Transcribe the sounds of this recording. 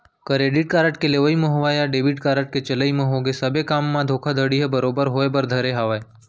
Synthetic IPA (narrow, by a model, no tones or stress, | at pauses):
kəɾeːɖiʈ̚kaːɾəʈkeleʋəimə̃ɦoʋajaɖeːbiʈkaːɾəʈ̚ket͡ʃɐləimə̃ɦoɡesɐbekaːmːãd̪ʱoːkʰad̪ʱəɽiɦɛbəɾoːbəɾɦoːebəɾd̪ʱəɾeɦaʋae